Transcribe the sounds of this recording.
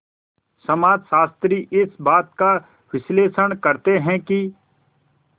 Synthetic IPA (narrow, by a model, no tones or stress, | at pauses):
sɐmaːd͡ʒsaːst̪ɾiʔɪsbaːt̪̚ka | wɪsleːsəɽ̃kəɾt̪eɦɛ̃ki